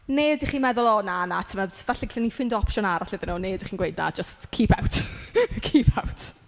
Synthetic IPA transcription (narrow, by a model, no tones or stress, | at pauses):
neːdiχiːmɛðʊlˠɔnanatʰəmɛðvaɬɛɬɛnifɪndɔɔpʰʃɔnaɾaɬɪðɪnoneːdiχiːnɡwejdna̰d͡ʒəstkʰiːpʰawtʰkʰipʰawtʰ